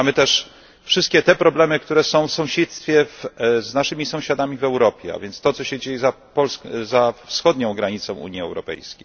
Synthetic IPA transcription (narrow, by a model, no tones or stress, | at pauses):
amɘt̪ɛʂ | fʂɘst̪̚kʲɛt̪ɛpɾɔblɛmɘkt̪uɾɛsɔ̃w̃fsɔ̃w̃ɕɛt̪st̪fʲjɛvznaʂɘmʲisɔ̃w̃ɕad̪amʲivɛwɾɔpʲjɛ̰a̰vjɛnt̪st̪ɔtsɔɕɛd͡ʑejɛza | pɔlszafsxɔd̪ɲɔ̃w̃ɡɾaɲit̪sɔ̃w̃ṵɲiɛ̰wɾɔ̰pɛ̰jskʲejj